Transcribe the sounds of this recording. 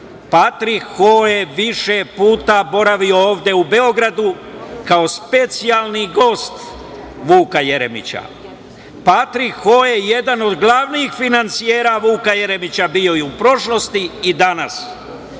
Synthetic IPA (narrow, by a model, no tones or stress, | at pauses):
pat̪ɾikːojeʋiʃepuːt̪abo̞ɾaʋio̞oːʋd̪e̞ube̞o̞ɡɾad̪u | kao̞spe̞t̪sijalˠniɡo̞ːst̪ | ʋuːkaje̞ɾemḭt͡ɕa̰ | pat̪ɾikːoːje̞je̞d̪ano̞d̪ɡlˠaʋniːxfinant̪sijeːɾaʋuːkaje̞ɾe̞mit͡ɕabijo̞jeupɾo̞ʃlo̞st̪iːd̪anas